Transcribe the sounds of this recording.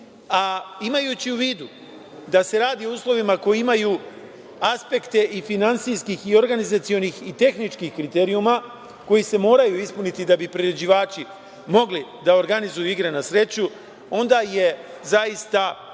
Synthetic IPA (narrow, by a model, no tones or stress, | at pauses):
aimajut͡ɕiuʋiːd̪u | d̪ase̞ɾaːd̪io̞uːslˠo̞ʋimako̞jiimaju | aspe̞kt̪e̞ʔifinant̪sijskixio̞ɾɡanizat̪sio̞nixit̪e̞xnit͡ʃkixkɾit̪eːɾiuma | ko̞jise̞mo̞ːɾajuispunit̪id̪abipɾiɾed͡ʑiʋaːt͡ɕi | mo̞ɡlid̪aoɾɡanizujuiɡɾenasɾe̞t͡ɕu | o̞nd̪aje̞zaist̪a